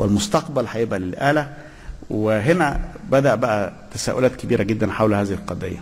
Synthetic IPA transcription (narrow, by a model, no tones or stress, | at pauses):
wʔelmost̪ɑqbælhæjeʔbʔælelʔæːlæ | weɦenæbæd̪æʔbæʔæt̪æsæ̰ːʔo̰læːt̪̚kebiːɾʔæɡed̪ːænħawlhæːzihilqɑd̪ḛjːæ